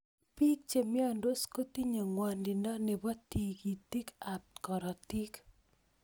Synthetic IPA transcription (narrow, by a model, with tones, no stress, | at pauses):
pi˦k̚t͡ʃe˨mjɔ˦˨ndo˦sko˦ti˦ɲo˨ŋwa˨ndɪ˨ndɔ˦nɛ˨bɔ˦ti˨ki˨ti˦ka˨p̚tkɔ˨ɾɔ˨ti˦k